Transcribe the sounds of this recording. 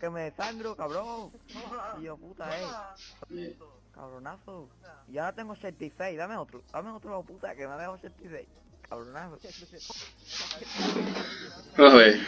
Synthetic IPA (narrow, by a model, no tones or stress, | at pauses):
kemeeθand̪ɾokaβɾõŋ | ioput̪ae | ka̰βɾonaθoiaɾat̪eŋɡosent̪iθejðameot̪ɾoðameot̪ɾoaput̪akemaðehosent̪iθej | kʰaβɾonaθo | maβe